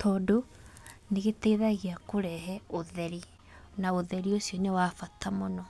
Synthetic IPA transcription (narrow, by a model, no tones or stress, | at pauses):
tʰɔːdoneɣetɛiðaɣiakoɾɛɦɛoðɛɾi | naoðɛɾiosiɔnewaːfatamonɔ